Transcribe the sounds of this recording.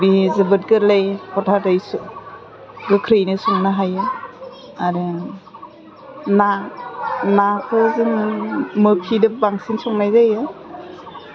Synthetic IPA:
bizɯbɯt̚ɡɯɾlajkʰɔtʰatajs | ɡɯkʰɾɯjnɯsɔŋnaɦajɯ | aɾɯ | na | nakʰɯzɯŋmɯpʰidɯbaŋsinsɔŋnajzajɯ

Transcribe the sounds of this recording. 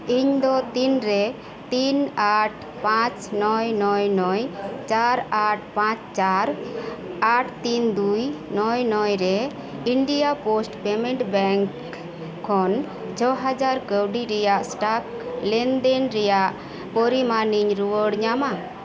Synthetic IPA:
iɲd̪ɔt̪inɾɛ | t̪inaʈʰ | pãt͡ʃnɔjnɔjnɔjt͡ʃaɾaʈ̚ʰpãt͡ʃt͡ʃaɾ | aʈʰt̪ind̪ujnɔjnɔjɾɛ | iɳɖijaposʈpɛmɛɳʈbɛŋk | kʰːɔn | d͡ʒʰɔɦad͡ʒaɾkəwɖiɾɛjaʔsʈak̚ | lɛnd̪ɛnɾɛjaʔ | pɔɾimaniɲɾuwəɽɲama

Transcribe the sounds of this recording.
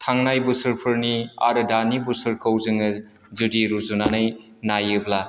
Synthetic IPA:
tʰaŋnajbusɯɾpʰɯɾnia̰ɾɯdanibusɯɾkʰawzɯŋɯ | zudiɾuzunanɯj | najɯbla

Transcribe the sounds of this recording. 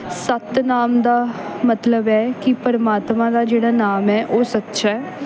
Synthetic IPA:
sət̪naːmd̪aːmət̪ləbɛːkɪpəɾəmaːt̪mãːd̪aːd͡ʒeːɽaːnaːmɛːʔoːsət̪ːʃaːɛː

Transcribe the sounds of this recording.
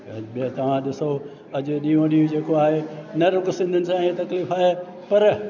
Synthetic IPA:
ɐɓet̪ɐʋ̤ãɗɪso | ɐd͡ʑʊ̆ɗiːõɗiːũd͡ʑeːkoaːɦenɐɾʊɡsɪ̃nd̪ʱənɪ̆sãːet̪ɐkliːfaːɦe | pɐɾ

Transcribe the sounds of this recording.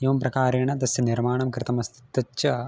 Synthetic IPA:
jeʋɐmpɾɐkaːɾeːɳɐd̪ɐsjɐniɾmaːɳɐmkɾɪt̪ɐmɐst̪ʰi̥t̪ːɐt͡ʃːɐ

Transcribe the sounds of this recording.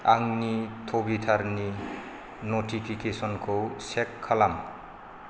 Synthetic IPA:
aŋnitʰobit̪ʰaɾni | notʰipʰikesɔnkʰowsekʰːalam

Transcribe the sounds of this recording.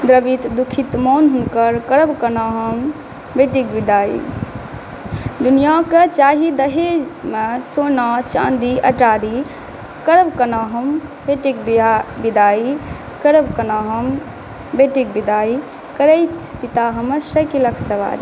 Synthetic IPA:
d̪ɾəbit̪d̪ukʰit̪mɔnɦuŋkəɾkəɾəbkənaɦəm | beʈik̚bid̪aḭ | d̪unijakət͡ʃaɦid̪əɦed͡ʒmesonat͡ʃã̰nd̪iʔə̰ʈaɾi | kəɾəbkənaːɦəmbeʈikbbid̪ai | kəɾəbkənaɦəm | beʈik̚bid̪ai | kəɾəjt̪pit̪aɦəməɾsəkiləkʰsəʋa̰ɾi

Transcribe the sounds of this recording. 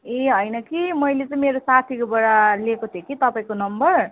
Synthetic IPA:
eɦʌjnʌkimʌjlet͡sʌĩmeɾosat̪ʰikobʌɽaliekot̪ʰekit̪ʌpaĩkonʌmbʌr

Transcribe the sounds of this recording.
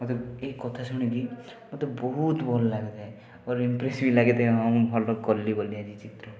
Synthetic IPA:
mot̪eekɔt̪ʰasuɽ̃ekimot̪ebɔɦut̪bɔlɔlaɡet̪ʰaɦe | ɔɾimpɾesibilaɡet̪ʰaɦeaũbʱɔlɔkɔlːibɔliad͡ʒit͡ʃit̪ɾɔ

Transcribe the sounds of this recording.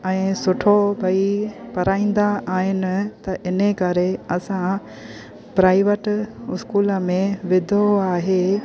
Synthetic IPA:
ɛ̃ːsʊʈʰobʱɐipɐɾaːĩːn̆d̪aʔaːɦɪnɪ̆t̪ɐʔɪnəkɐɾeɐsã | pɾaːɪʋəʈɪskuːləmẽʋɪd̪ʱoaːɦeː

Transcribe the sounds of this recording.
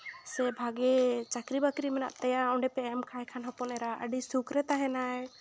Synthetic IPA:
sɛbʱaɡɛt͡ʃakɾibakɾimɛna̰ʔt̪ɛjaɔɳɖɛpɛɛmkʰajɛkʰanɦɔpɔnɛɾaə̰ɖisukʰɾɛt̪aɦɛ̃naj

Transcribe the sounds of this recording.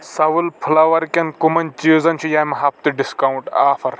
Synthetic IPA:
sɐʋulpʰʊlaːʋɐɾkɐnkumɐnʲt͡ʃiːzɐnt͡ʃʰujaːmɐɦɐp̚t̪ɨɖɪskauɳʈaːfɐɾ

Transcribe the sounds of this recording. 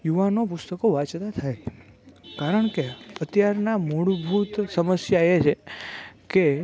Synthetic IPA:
juʋanopʊst̪əkoʋat͡ʃt̪at̪ʰaj | kaɾəɳkeət̪jaɾnamuɽbʱut̪səməsjaet͡ʃʰeke

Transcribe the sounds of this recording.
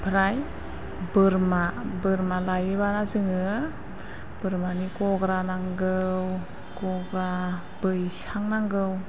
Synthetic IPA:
pʰɾaj | bɯɾmabɯɾmalajɯβaɾazɯŋɯ | b̥ɯɾmanikɔɡɾanaŋɡɯw | kɔɡɾa | bɯjsaŋnaŋɡɯw

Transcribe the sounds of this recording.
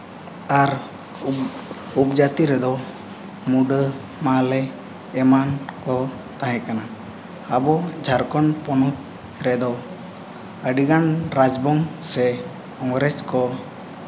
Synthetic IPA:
aɾ | upd͡ʒat̪iɾɛd̪ɔ | muɖə | malɛː | mankɔ | t̪aɦɛ̃kanaː | bɔd͡ʒʱaɾkɔnpɔnɔt̪̚ | ɾɛd̪ɔ | əɖiɡanɾad͡ʒbɔŋsɛ | ɔŋɾɛt͡ʃkɔ

